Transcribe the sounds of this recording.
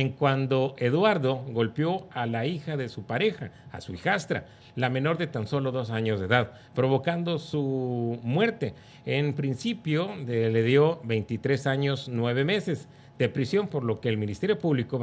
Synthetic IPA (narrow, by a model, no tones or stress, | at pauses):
eŋkwand̪o̞ʔe̞ðwaɾðo̞ɣo̞lpjo̞alaixaðe̞supaɾe̞xa̰ːsuixast̪ɾa̰ | lamẽ̞no̞ɾðe̞t̪anso̞lo̞ðo̞saɲo̞zðe̞ðað | pɾo̞β̞o̞kand̪o̞sumwe̞ɾt̪e̞ | enpɾinsipjo̞le̞ðjo̞βe̞jnt̪it̪ɾe̞saɲo̞znwe̞β̞e̞me̞se̞z | d̪̥e̞pɾisjo̞mpo̞ɾlo̞ke̞ːlmĩnist̪e̞ɾjo̞puβliko